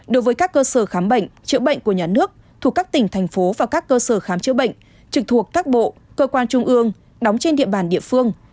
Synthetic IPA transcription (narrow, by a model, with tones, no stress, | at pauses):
ɗo˨˦jvəː˨˦jkaː˦˥kːəː˧səː˧˩xaː˨˦mɓə̰˧˨jŋ̟t͡ɕɨ̰˧˥ɓə̰˧˨jŋ̟ku˧˩əɲaː˨˩nɨ˦˥ək̚ | t̪ʰu˨˧˩kːaː˦˥k̚t̪ï˨˩ŋ̟t̪ʰɛ˨˩jŋ̟fo˨˦vaː˨˩wkaː˦˥kːəː˧səː˧˩xaː˨˦mt͡ɕɨ̰˧˥əɓə̰˧˨jŋ̟ | t͡ɕɨ˨˩k̚t̪ʰu˨˩ək̚t̪aː˦˥k̚ɓo̰˧˨ | kəː˧kwaː˧nt͡ɕʊ˧ŋ͡mʔɨ˧əŋ | ɗɔ˨˦wŋ͡mt͡ɕe˧nɗḭ˧˨əɓaː˧˩nɗḭ˧˨əfɨ˧əŋ